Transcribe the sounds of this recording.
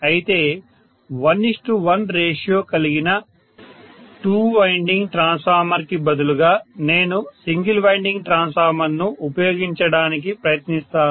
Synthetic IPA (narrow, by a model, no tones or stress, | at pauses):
ɐjit̪e̞ː | ʋɐnːisʈuʋɐnɾeːʂjoːkɐliɡinɐ | ʈuːʋɐjɳɖiŋɡʈɾaːnsfaːɾmɐɾkibɐd̪uluɡaːne̞ːnusiŋɡilʋɐjɳɖiŋɡʈɾaːnsaːɾmɐnːuupɐjo̞ːɡiɲt͡ʃɐɽaːnik̬ipɾɐjɐt̪nist̪aː